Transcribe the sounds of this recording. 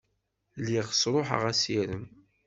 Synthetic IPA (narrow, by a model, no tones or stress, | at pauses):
lːiʁsɾˤoħə̰ʁæsiɾəm